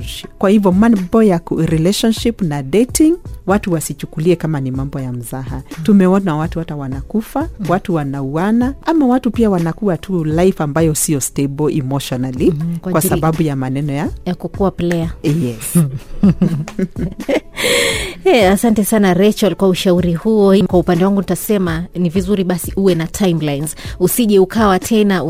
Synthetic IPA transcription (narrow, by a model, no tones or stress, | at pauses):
kwahivjɔmanbɔjakuɾilɛʃɔnʃipnadetiŋwatuwasit͡ʃukuliɛkamanimambɔjam̩zaɦa̰tumɛɔnawatuhatawanakufawatuwanauanaʔamawatupiawanakuatʰulaifambajɔsijɔstebɔʔimɔʃɔnalikwakwasaɓaɓujamanɛnɔjajakukuaplɛajɛs | ɛasantɛsanaɾɛt͡ʃalkwauʃauɾihuɔhimkwaupandɛwaŋɡunitasɛmanivizuɾiɓasiʔuwɛnatʰajmlajnzusiʄɛukawatʰɛna